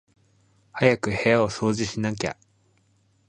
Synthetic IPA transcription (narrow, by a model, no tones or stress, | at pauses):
hajakɯ̟he̞jao̞so̞ːʑiɕinak̬ʲa̰